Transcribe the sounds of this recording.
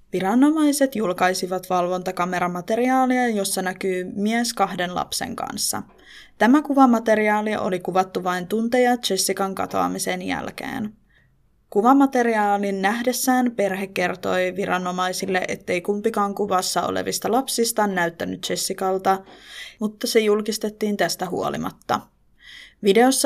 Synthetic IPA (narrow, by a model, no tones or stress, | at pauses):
ʋiɾɑno̞mɑjse̞t̪julkɑjsiʋɑt̪ʋɑlʋo̞nt̪ɑkɑme̞ɾɑmɑt̪e̞ɾiɑːliɑjo̞sːɑnækyːmiæskɑhde̞nlɑ̰psḛŋkɑ̰nsːɑ̰ | t̪æmækuʋɑmɑt̪e̞ɾiɑːliʔo̞̰likuʋɑt̪ːuʋɑjnt̪unt̪ejɑt͡ʃe̞sːikɑŋkɑ̰t̪o̰ɑ̰misenjæ̰lk̟ḛːn | kuʋɑmɑt̪e̞ɾiɑːlinːæɦdesːæːnpe̞rɦekːe̞rt̪o̞jʋiɾɑnːo̞mɑjsilːeʔet̪ːe̞ijkumpikɑːŋkuʋɑsːɑo̰lḛʋist̪ɑlɑpsist̪ɑːnːæyt̪ːænyt̪t͡ʃe̞sːikɑlt̪ɑmut̪ːɑse̞julkist̪et̪ːiːnt̪æst̪æɦṵolḭmɑ̰t̪ːɑ | ʋide̞osːɑ